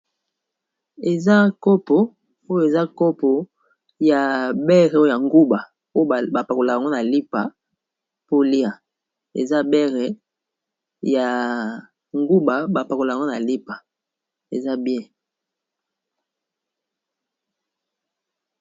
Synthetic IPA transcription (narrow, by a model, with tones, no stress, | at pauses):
e˨za˦ko˦po˨ | o˦jo˨e˨za˦ko˦po˨ | ja˨bɛ˦ʁɛ˨o˦o˦ja˨ŋɡu˦ba˨ | o˦o˦˨ba˨pa˨ko˨la˨a˨ŋɡo˦na˨li˦pa˨ | po˦li˦a˨ | ḛ˨za˦bɛ˦ʁɛ˨ | ja˨ | ŋɡu˦ba˨ba˨pa˨ko˨la˨ŋɡo˦na˨li˦pa˨ | ḛ˨za˦bjɛ̃˦